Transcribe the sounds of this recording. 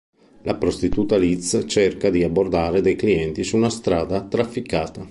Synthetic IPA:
lʔapɾost̪it̪uːt̪alit̪st͡ʃerkad̪iabord̪aːɾed̪ejkliɛnt̪isuːnast̪ɾaːd̪at̪ɾafːikaːt̪a

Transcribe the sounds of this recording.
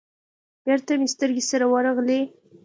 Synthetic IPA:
b̥eɾt̪amist̪əɾɡesaɾawəɾaɣle

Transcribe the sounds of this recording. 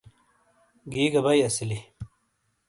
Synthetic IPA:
ɡiːɡɐbɐjɐsili

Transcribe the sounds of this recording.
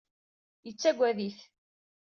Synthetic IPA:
jət͡sːæɡʷːæðiθ

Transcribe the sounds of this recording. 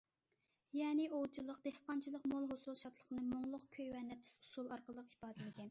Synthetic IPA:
jɛːnɪʔolt͡ʃʰilˠəq̚d̪̥ehqɑnt͡ʃʰilˠəqmolˠɦosulˠʃɑt̪ʰlˠəχnɨmoŋlˠʊq̚kʲʰøjwɛnɛp̪ɪ̥su̥sulˠɑɾqəlˠəqipɑːd̪ɪlɪɡʲɛn

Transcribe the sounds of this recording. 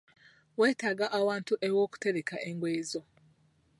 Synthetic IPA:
we̞ːtaːɡaʔːwaːntuʔewoːku̥te̞ɾekaʔeŋɡweːzo̞

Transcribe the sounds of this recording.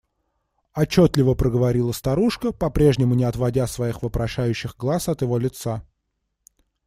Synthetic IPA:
ɐt͡ɕːo̞t̪lʲɪvəpɾəɡəvɐɾʲilˠəst̪ɐɾuʂkəpɐpɾʲe̞ʐnʲɪmʊnʲɪɐt̪vɐdʲasvɐixvəpɾɐʂæjʉɕːɪɣɡlˠasɐt̪jɪvo̞lʲɪt̪sa

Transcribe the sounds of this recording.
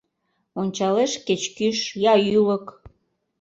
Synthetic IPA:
onʲt͡ɕɑleʃket͡ɕkyʃjɑjylək

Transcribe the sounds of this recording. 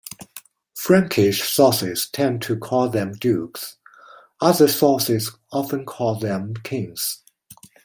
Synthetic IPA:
fɹæ̃ŋkʰɪʃsɔsɪz̥tʰɛ̃ntʰɨkʰɔlˠðɨ̃mdʉks | ʌðə˞sɔsɪz | ɑfə̃nkʰɔlˠðɨ̃mkʰɪ̃ŋz̥

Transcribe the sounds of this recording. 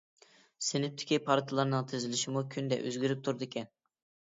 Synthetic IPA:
sɪnɪp̚t̪ʰɪ̥kʲʰipʰɑɾt̪ʰɨlˠɑɾnɨŋt̪ʰɪzɪlɪʃɪmukʲʰynd̪ɛ̰ʔø̰zɡʲyɾyp̚t̪ʰuɾd̪ɨkʲʰɛn

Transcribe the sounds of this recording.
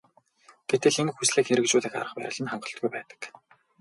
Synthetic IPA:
t̪ʰet̪ɘ̆ɮemxusɮeːkxeɾɘ̆kt͡ɕʊːɮĭːka̰ɾə̆χpæ̰ːə̆ɮə̆nχaɴɢɞ̆ɬt̪ɡujpæːt̪ə̥̆k

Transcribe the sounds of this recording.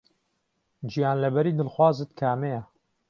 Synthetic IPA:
d͡ʒijaːnlɐbɛɾiːd̪ɨlxwaːzɨt̪kʰaːmejɛ

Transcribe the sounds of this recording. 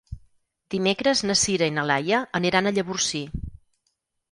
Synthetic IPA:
d̪imekɾəznəsiɾəinəlajəəniɾanəʎəβursi

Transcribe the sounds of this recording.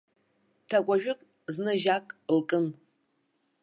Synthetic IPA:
tʰakʷʼaʒᶣʊkʼ | znɨʒakʼlkʼɨn

